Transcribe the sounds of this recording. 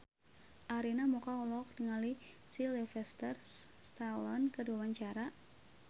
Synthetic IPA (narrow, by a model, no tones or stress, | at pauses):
ʔaɾinamukaulɔk̚dəŋali | silifɛst̪ərs | st̪alɔnkəduawaɲt͡ʃaɾa